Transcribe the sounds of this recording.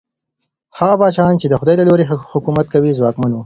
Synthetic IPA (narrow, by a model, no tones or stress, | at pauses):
haɣabɑt͡ʃɑnt͡ʃed̪əxʊd̪ɑjlaloɾehʊkumat̪̚kawizwɑkmanu